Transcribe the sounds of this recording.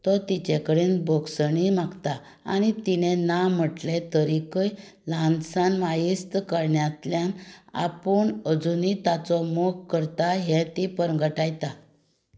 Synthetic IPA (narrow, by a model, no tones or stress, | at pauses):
t̪ɔt̪it͡ɕekəɽenboksəɳimaɡt̪a | a̰ñit̪inenam̤əʈlet̪əɾikəj | lansanʋajist̪kəɾɳjat̪ljana̰pəɳəd͡zunit̪at͡sɔmokkːəɾt̪aɦɛt̪ipəɾɡəʈajt̪a